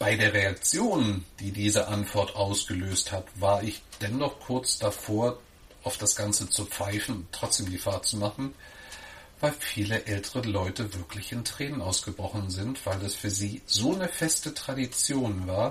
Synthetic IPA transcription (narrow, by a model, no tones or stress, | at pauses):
b̥aɪdeːɐʁeak̚t͡sjoːnd̥iːdiːzəʔantv̥ɔɐtʔaʊsɡ̥əløːsthatv̥aːɐɪçd̥ɛnːɔχkʰʊɐt͡sd̥afoːɐ | ʔaʊfd̥asɡ̥ant͡sət͡sup͡faɪfn̩ʊntːʁ̥ɔt͡sd̥eːmɡəfaːɐt͡sumaχn̩ | v̥aɪlfiːləʔɛltʰəʁəlɔʏtəvɪɐklɪçɪntʁ̥ɛːnənʔaʊsɡ̥əbʁɔχn̩zɪntv̥aɪldasfyːɐziːzoːnəfɛstətʁ̥adit͡sjoːnvaːɐ